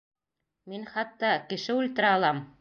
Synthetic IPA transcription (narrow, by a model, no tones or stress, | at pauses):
minχɑt̪ːɑkɘ̆ʃɘult̪ɤ̆ɾɑːlˠɑm